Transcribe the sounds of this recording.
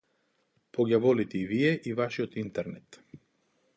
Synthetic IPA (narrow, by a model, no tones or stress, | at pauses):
poɡʲjavɔlit̪ɛivijɛʔivaʃiot̪int̪ɛɾnɛt̪